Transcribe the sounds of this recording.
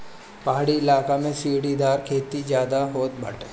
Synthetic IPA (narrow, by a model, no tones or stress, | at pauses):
paɦaːɽiɪlaːkamẽsiːɽid̪aːɾkʰeːt̪id͡ʒjaːd̪aɦoːt̪̚bɐ̰ʈʰe